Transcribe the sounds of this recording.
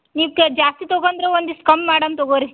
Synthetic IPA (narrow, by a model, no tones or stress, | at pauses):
niːʋked͡ʒaːst̪it̪ɔɡond̪ɾeond̪uskɐmːaːɽɐnt̪ɔɡoːɾi